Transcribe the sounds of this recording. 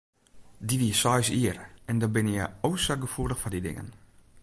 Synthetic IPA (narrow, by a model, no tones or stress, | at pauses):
diʋiəsɔjsiərɛndɔbɪnjə̰owsəɡəfudəxfɔdidɪ̰ŋə̰n